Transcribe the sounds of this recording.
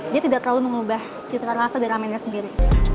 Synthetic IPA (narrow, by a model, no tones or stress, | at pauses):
diat̪idaʔt̪ərlaluməŋubah | sit̪ɾarasadaɾiamajnɲasəndiɾi